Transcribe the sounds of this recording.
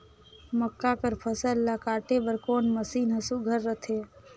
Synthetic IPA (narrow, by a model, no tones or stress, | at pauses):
məkːakəɾpʰəsəlːakaːʈebəɾkoːnməsiːnɦəsuɡʱəɾːət̪ʰe